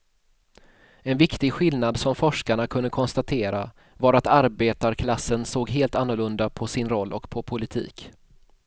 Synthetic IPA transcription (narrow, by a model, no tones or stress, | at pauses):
ɛnvɪkt̪ɪɡɧɪlnad̪sɔmfɔʂkaɳakʰɵnd̪əkʰɔnst̪at̪ʰeːɾa | vɑɾat̪aɾbeːt̪aɾkʰlasːənsoːɡɦeːlt̪anːʊɭɵnd̪apʰɔsɪnɾɔlːʔɔkpʰɔpʰʊlɪt̪ʰḭːk